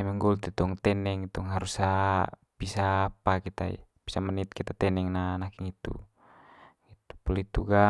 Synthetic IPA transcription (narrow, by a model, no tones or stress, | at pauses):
ɛmɛŋɡɔlt̪ɛt̪ɔŋt̪ɛnɛŋit̪uŋɦaɾusa | b̥isaːpakit̪aḭ | b̥isamənit̪̚kit̪at̪ɛnɛŋnanakiŋit̪ṵ | ɡit̪u̥pɔlit̪uɡa